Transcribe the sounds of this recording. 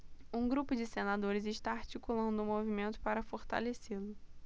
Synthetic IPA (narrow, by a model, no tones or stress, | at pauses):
ũɡɾupʊd͡ʒɪsenad̪oɾɪzɪʃt̪aaɾt͡ʃikulɐ̃nd̪ʊũmovimẽnt̪ʊ̥paɾɐfoɾt̪a̰leselʊ